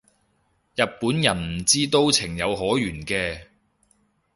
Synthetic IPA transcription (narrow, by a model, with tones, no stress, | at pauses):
jɐ˨t̚puː˨˥njɐ˨˩nm̩˨˩t͡siː˥t̪o˥wt͡sʰɪ˨˩ŋjɐ˨˧wɦɔː˨˥jyː˨˩nkɛː˧